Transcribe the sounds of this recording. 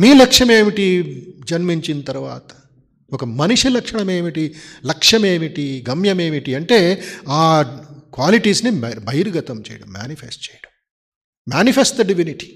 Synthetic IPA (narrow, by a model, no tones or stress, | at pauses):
miːlɐkʂɐme̞ːmiʈid͡ʒɐnmiɲt͡ʃint̪ɐɾuʋa̰ːt̪ɐ̥ | ɔkɐmɐniʂilɐkʂɐɳɐmeːmiʈilɐkʂɐme̞ːmiʈiɡɐmjɐme̞ːmiʈiɐɳʈe̞ːaːkʋaːliʈiːsnibʱɐjɾuɡɐt̪ɐmt͡ʃɛ̰ːjɐɽɐmːja̰ːnipʰesʈt͡ʃɛːjɐɽɐm | mjaːnipʰesʈ̚d̪ɐɖiʋiniʈi̥